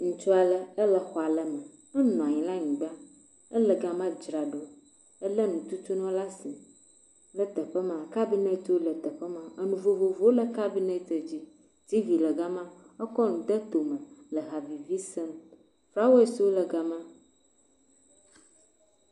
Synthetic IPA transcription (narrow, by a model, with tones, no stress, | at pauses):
ŋũ˨t͡ʃɔ˦a˨lə˦ə˦lə˨xɔ˨a˨lə˨mə˨ | ɛ˦nɔ̃˨a˨ɲĩ˨la˦ɲĩ˨ɡ͡ba˦ | ə˦lə˨ɡa˨mã˦d͡ʒɾa˨ɖo˦ | ə˦lə˦nũ˨t̪u˦t̪u˦nɔ̃˦la˦si˨ | lə˦t̪ə˨ɸə˦mãã˨ka˦bi˦ne˦t̪o˦lə˨t̪ə˨ɸə˦mã˦ə˦nũ˨vo˨vo˨vo˦o˦lə˨ka˦bi˦ne˦t̪ə˨d͡ʑi˦ | d͡ʑi˦vi˨lə˨ɡa˦mã˦ | ə˦kɔ˦nũ˨d̪ə˦t̪o˨mə̃˨lə˨ɦa˨vi˨vi˦sɛ˦m | fɾa˦wo˦e˦si˨˦wo˦lə˨ɡa˨mã˦